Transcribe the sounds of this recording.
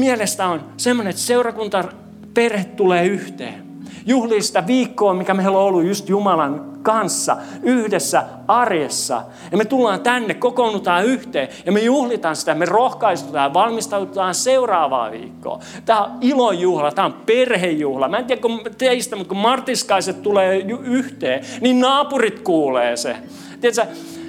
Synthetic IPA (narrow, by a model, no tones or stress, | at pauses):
mielest̪æonsemːoneet̪seurɑkunt̪ɑ | perhet̪t̪uleːyht̪ḛː | juhliːsi̥t̪æʋiːkːoːmikæmeiloolːujjust̪jumɑlɑnkɑnsːɑ̰yhdesːæ | ɑrjesːɑ̰ | jɑmet̪ulːɑːnt̪ænːekkokonut̪ɑːyht̪eːjɑmejuhlit̪ɑnsi̥t̪æmerohkɑist̪ut̪ɑːjɑʋɑlmist̪ɑut̪t̪ɑːnseurɑːʋɑ̰ːʋḭːkːo̰ː | t̪æːoilojjuhlɑt̪æːomperhejjuhlɑmæent̪iækot̪eist̪æmut̪̚kumɑrt̪ːiskɑiset̪t̪uleːjuyht̪eːninnɑːpurit̪kuːleːsḛ | t̪ieæt̪sæ